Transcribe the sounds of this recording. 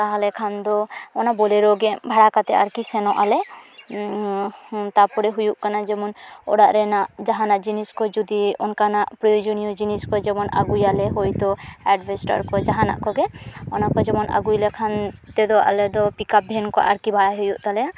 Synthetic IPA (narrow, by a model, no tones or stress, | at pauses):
kaɦalɛkʰand̪ɔɔnabɔlɛɾɔɡɛbʱaɽakat̪ɛa̰ɾkisɛnɔʔalɛ | t̪apɔɽɛɦujuʔkanad͡ʒɛmɔnɔ̰ɽaʔɾɛnaʔd͡ʒaɦanaʔd͡ʒiniskɔd͡ʒud̪iɔ̰nkanaʔpɾɔjod͡ʒɔnijɔd͡ʒiniskɔd͡ʒɛmɔna̰ɡujalɛɦɔjt̪ɔɛɖbɛsʈa̰ɾkɔd͡ʒaɦana̰ʔkɔɡɛɔnakɔd͡ʒɛmɔna̰ɡujlɛkʰant̪ɛd̪ɔa̰lɛd̪ɔpikap̚bʱɛnkɔ̰ʔa̰ɾkibʱaɽajɦujuʔt̪alɛa